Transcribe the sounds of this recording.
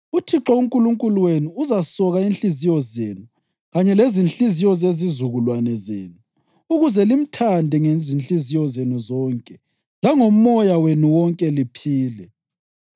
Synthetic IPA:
utʰiǁɔuŋkʼuluŋkʼuluwenuːzasɔɣainɬizijɔzḛnu | ɣaɲɛlezinɬizijɔzezizuɣulwanɛzḛːnu | uɣuzɛlim̩tʰandʱɛŋezinɬʼizijɔzenuzɔːŋkʼɛ | laŋomːɔjawenuwɔŋkʼɛlipʰiːlɛ

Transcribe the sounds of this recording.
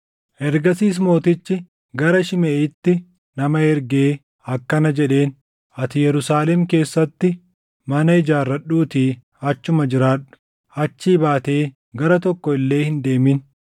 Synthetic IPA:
ʔɛɾɡɐsiːs̬mo̞ːt̪ɪt͡ʃːɪ | ɡɐɾɐʃɪmeːɪt̪ːɪ | nɐmɐɛɾɡeː | ɐkːɐnɐd͡ʒɛᶑe̞ːn | ɐt̪ɪjɛɾʊsaːlɛmke̞ːsːɐt̪ːɪ | mɐnɐɪd͡ʒaːrːɐɗuːt̪iː | ɐt͡ʃːʊmɐd͡ʒɪɾaːᶑʊ̥ | ɐt͡ʃːiːbaːt̪e̞ː | ɡɐɾɐt̪ɔkːɔɪlːe̞ːhɪnd̪e̞ːmɪn

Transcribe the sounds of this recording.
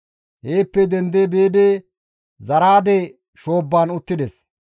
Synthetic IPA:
heːpːɛd̪ɛnd̪ebeːd̪eː | zɐɾaːd̪ɛ | ʃo̞ːbːaːnʊt̪ːɪd̪ɛs

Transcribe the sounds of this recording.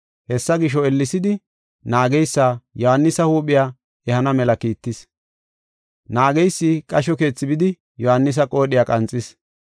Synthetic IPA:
hɛsːɐɡɪʃ̬ɔɛlːɪsɪd̪ɪ | naːɡɛjsːaːjɔhanːɪsɐhuːpʼːɪjaː | ɛhɐnɐmɛlɐkiːt̪ːɪs | naːɡɛjsːɪkʼɐʃɔke̞ːt͡sːɪbɪd̪ɪ | jɔhanːɪs̬ɐkʼo̞ːɗɪjaːkʼɐnt͡sʼːɪs

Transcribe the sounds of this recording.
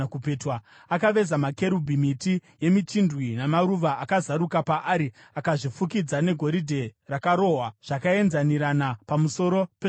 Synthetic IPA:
kupeːtwa | akaʋe̞zamake̞ɾubʱimitije̞mit͡ʃindwinamaɾuʋaʔakazaɾukapaʔaɾi | akaʐifukid͡zane̞ɡʱo̞ɾidʱe̞rakaɾo̞ːɦwaʐ̥akae̞nzaniɾanapamuso̞ɾo̞pe

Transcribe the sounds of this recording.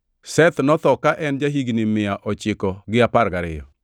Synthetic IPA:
sɛt̪nɔt̪ɔkaʔɛnd͡ʒaɦiɡnɪmɪaʔɔt͡ʃɪkɔɡɪapaɾɡaɾɪ̰jɔ

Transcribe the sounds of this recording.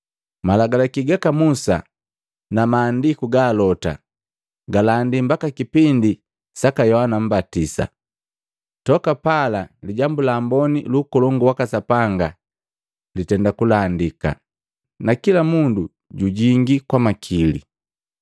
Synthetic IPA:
malaɡalakiɡakamusa̰ | namaːndikuɡaːlɔta̰ | ɡalandim̩bakakipindi | sakajɔhanam̩batisa̰ | tɔkapalaliɟambulaːmbɔnilukɔlɔŋɡuwakasapaŋɡa | litɛndakulandika̰ | nakilamundu | ɟuɟiŋɡikwamakʰilḭ

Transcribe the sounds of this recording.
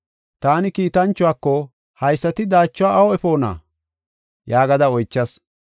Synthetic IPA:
t̪aːnɪkiːt̪ɐnt͡ʃːʊwaːkːɔ | hɐjsːɐt̪ɪd̪aːt͡ʃːʊwaːʔɐwɔɛfo̞ːna̰ː | jaːɡɐd̪ɐɔjt͡ʃːɐs

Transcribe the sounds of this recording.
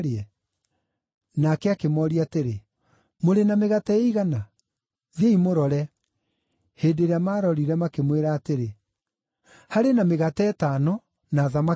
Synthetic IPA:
ɾeɛ | nakɛakemɔɾiateɾe | moɾenameɣatɛeiɣana | ðeimoɾɔɾɛ | heːdeɾeamaːɾɔɾiɾɛmakemweɾaːteɾe | haɾenameɣatɛɛtaːnɔ | naːðama

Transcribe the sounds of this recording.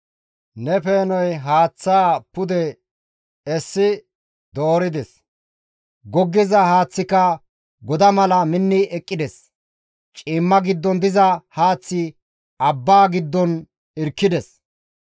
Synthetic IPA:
nɛpe̞ːnɔjɦaːt͡sːaːpʊd̪ɛ | ɛsːɪ | d̪oːɾɪd̪ɛs | ɡɔɡːɪzɐhaːt͡sːɪkɐ | ɡɔd̪ɐmɐlɐmɪnːɪɛkʼːɪd̪ɛs | t͡ʃʼiːmːɐɡɪd̪ːɔnd̪ɪzɐhaːt͡sːɪ | ɐbːaːɡɪd̪ːɔn | ɪɾkːɪd̪ɛs

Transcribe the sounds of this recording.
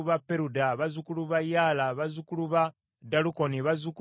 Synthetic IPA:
uβapːe̞ɾudaβazukuluβajaːlaβazukuluβa | daluko̞niβazuku

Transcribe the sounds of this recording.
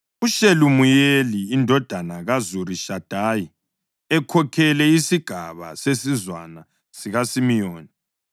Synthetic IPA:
uʃelumujeliːndʱɔd̥ʱanaɣazuɾiʃad̥ʱaːji | ɛkʰɔkʰɛlɛisiɡ̥ʱaβa̰sesizwana | siɣasimijoːni

